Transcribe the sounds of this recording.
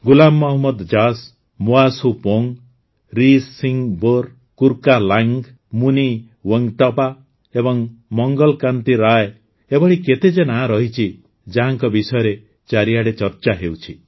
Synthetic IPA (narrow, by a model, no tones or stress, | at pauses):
ɡulamːɔɦmɔd̪d͡ʒas | moasupoŋ | ɾisːiŋboɾ | kuɾkalaŋɡ | muni | weŋʈɔpa | ebɔŋmɔŋɡɔlkant̪iɾae | ebɔɽiket̪ed͡ʒenaɦãɾɔɦit͡ʃʰi | d͡ʒaɦaŋkɔbisɔjɔɾe | t͡ʃaɾiaɽet͡ʃɔɾt͡ʃaɦewt͡ʃʰi